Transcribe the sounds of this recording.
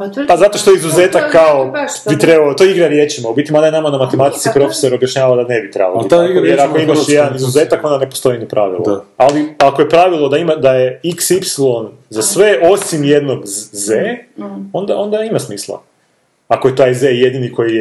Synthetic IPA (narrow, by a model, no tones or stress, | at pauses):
pazat̪o̞ʃt̪oizuze̞ːt̪akːao | bit̪ɾe̞balot̪o̞eiɡɾaɾje̞t͡ʃimaubit̪ʲimad̪ajenamanamat̪emat̪i̥t̪sipɾo̞fe̥so̞ɾo̞bjaʃɲaːʋald̪ane̞bit̪ɾḛbaliojeɾakoimaʃjed̪anizuze̞ːt̪ako̞nd̪ane̞po̞st̪o̞jinopɾʔaʋḭlˠo̰aliakojepɾaʋilˠod̪aimad̪ajeiksipsilˠo̞n | zasʋe̞o̞simje̞d̪no̞ɡzeːo̞nd̪ao̞nd̪aimasmiːslˠa̰ | akojet̪ajzejed̪iniko̞jije